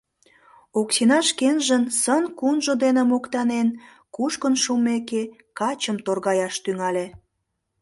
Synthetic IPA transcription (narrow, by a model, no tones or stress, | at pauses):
oksinɑʃkenʒənsənkunʒod̪enemokt̪ɑnen | kuʃkənʃumeke | kɑt͡ɕəmt̪orɣɑjɑʃt̪yŋɑlʲe